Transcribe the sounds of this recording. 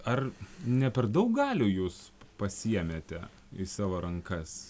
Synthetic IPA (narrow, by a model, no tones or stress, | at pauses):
ɐrnʲɛpʲɛrd̪ɐʊk̚ɡɑːlʲuːjuːspɐsʲiɛmʲeːt̪ʲɛ | isɑːʋoːɾɐŋkɐs